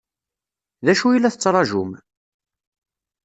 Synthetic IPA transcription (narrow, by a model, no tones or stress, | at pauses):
ðæʃujilːæθət͡sːɾˤɑʒum